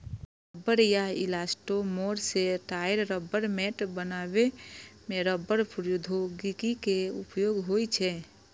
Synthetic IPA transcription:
ɾəbːəɾjaɪ̰lasʈomoːɾseʈaːjəɾɾəbəɾmɛʈbənaːbemeɾəbːəɾpʰʊɾjud̪ʱoɡikikeʊpjoːɡɦoit͡ʃʰɛ

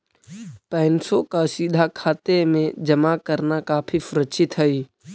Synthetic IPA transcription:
pɛ̃ːnsokasiːd̪ʱakʰaːt̪emẽd͡ʒəmakəɾnakaːpʰifʊɾət͡ʃʰɪt̪ɦəi

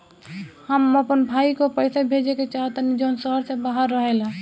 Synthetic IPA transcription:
həməpənbʱaikopəɪsabʱed͡ʒeket͡ʃaɦət̪nid͡ʒonsəɦəɾsebaɦəɾːəɦela

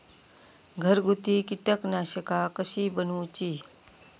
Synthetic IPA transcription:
ɡʱəɾɡut̪iːkiʈəknaɕəkakəɕiːbənut͡ɕiː

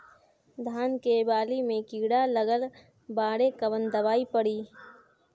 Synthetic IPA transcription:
d̪ʱaːnkebaːlimẽkiːɽaləɡəl | baːɽekəʋənd̪əʋaːipəɽiː

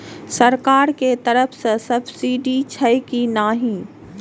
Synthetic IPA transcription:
sɐɾkaːɾket̪ɐɾəfʰsɐ̃sɐbsiːɖit͡ɕʰɐjkinaːɦĩ

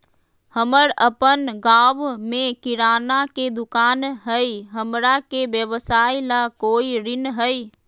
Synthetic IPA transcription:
həməɽəpənɡaːʋmẽkɪɾaːnaked̪ʊkaːnɦəiɦəmɾakebjəʋsaːilakoːiɾɪnɦəi

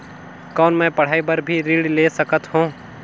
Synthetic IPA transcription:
kɔːnmɛ̃ːpɐɽ̤aːibɐɾbʱiɾiːɽleːsɐkət̪ɦũː

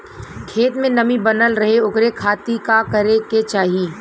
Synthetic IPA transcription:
kʰeːt̪mẽnɐmibɐnəlɾɐɦeʊkɾekʰaːt̪ikakɐɾeket͡ʃaːɦieː

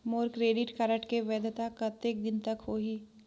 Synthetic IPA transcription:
moːɾkɾeːɖɪʈkaɾəʈkeʋɛːd̪t̪akɐt̪ek̚d̪ɪnt̪ɐkhoːɦiː

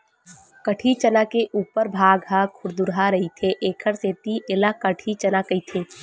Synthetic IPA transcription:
kəʈʰit͡ʃənakeʔuːpəɾbʱaːɡɦakʰʊɾd̪ʊɾɦaɾɐɦit̪ʰeʔeːkʰəɾseːt̪iʔɪlakəʈʰit͡ʃənakəit̪ʰeː

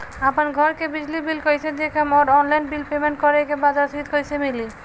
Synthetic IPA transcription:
apanɡʱɔɾkebid͡ʑlibilkojsʰed̪ekamɔɾɔnlajnbilpemeɳʈkɔɾekebad͡ʒaɾsit̪kojsʰemili

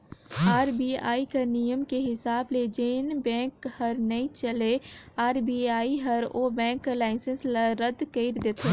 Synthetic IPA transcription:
aːɾbia̰ːikɐnijəmkeɦɪsaːbled͡ʒeːnbɛ̃ːkhɐɾnɐĩt͡ʃəleaːɾbiaːiɦɐɾobɛ̃ːŋklaːɪsə̃nslaɾəd̪kəɪɾd̪eːt̪ʰo

